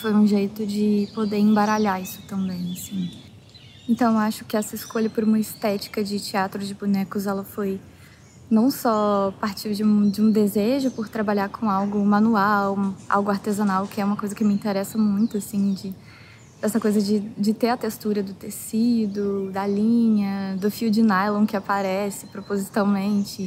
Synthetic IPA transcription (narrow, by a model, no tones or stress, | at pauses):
fojũʒejt̪ʊd͡ʒɪpod̪eẽbaɾaʎaisʊ̥t̪ɐ̃mbẽj̃asĩ | ẽnt̪ɐ̃w̃aʃʊ̥kɪɛsɐɪskoʎɐpʊɾũmɐɪst̪ɛt͡ʃi̥kɐd͡ʒɪt͡ʃiat̪ɾʊd͡ʒɪbunɛkʊzɛlɐfoj | nɐ̃w̃sɔpaɾt͡ʃiɾd͡ʒɪũd͡ʒɪũd̪ezeʒʊpʊɾt̪ɾabaʎaɾkʰõawɡʊmɐ̃nuawa̰wɡʊaɾt̪ezanawkɪɛũmɐkojzɐkɪmɪĩnt̪eɾɛsɐmũj̃t̪ʊasĩd͡ʒɪ | d̪ɛsɐkojzɐd͡ʒɪd͡ʒɪt̪eɾɐt̪est̪uɾɐd̪ʊt̪esid̪ʊd̪ɐlĩɲɐd̪ʊfiwd͡ʒɪnajlõw̃kɪapaɾɛsɪpɾopozit̪awmẽnt͡ʃɪ